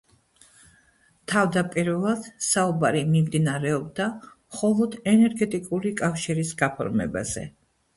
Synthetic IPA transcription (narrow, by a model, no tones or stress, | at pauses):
t̪ʰavd̪apʼiɾvɛlˠad̪̥saubaɾimimd̪inaɾɛɔb̚d̪amχɔlˠɔd̪ɛnɛɾɡɛt̪ʼikʼuɾikʼafʃiɾisɡapʰɔ̰ɾmɛ̰ba̰z̥ɛ̰